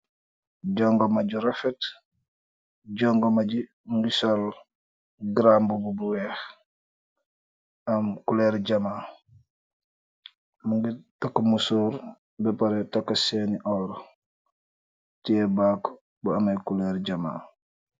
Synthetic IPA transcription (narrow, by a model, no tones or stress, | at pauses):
ɟɔŋɡɔmaɟuɾafɛt | ɟɔŋɡomaɟi | muŋɡisal | ɡɾambububuwɛx | amkulɛɾɟamaː | muŋɡitakːomusuːɾ | bɛpaɾɛtakːaseniʔɔːɾ | tiɛbak | buamajkulɛːɾɟama̰ː